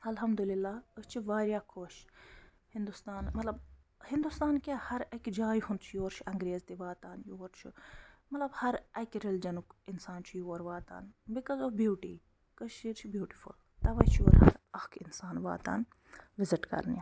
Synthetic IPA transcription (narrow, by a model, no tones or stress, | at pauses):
ɐlɦɐmd̪ulilːaːət͡ʃʰiʋaːɾjaːkʰoːʃ | hɪnd̪ust̪aːnmɐt̪lɐb̚ | hĩnd̪ust̪aːnkʲahɐɾɐkʲd͡ʒaːjhund̪t͡ʃʰjoːɾt͡ʃʰɐŋɡɾeːzt̪iʋaːt̪aːnjoːɾt͡ʃʰumɐt̪lɐbhɐɾɐkʲɾild͡ʒɐnukinsaːnt͡ʃʰujuoːɾʋaːt̪a̰ːnbikɔzoʋbjuːʈḭː | kəʃiɾt͡ʃʰibjuːʈi̥fṵl | t̪ɐʋɐt͡ʃʰjoːɾɦɐ̰ɾɐkʰinsaːnʋa̰ːt̪a̰ːn | ʋɪzɪʈkɐ̰ɾnja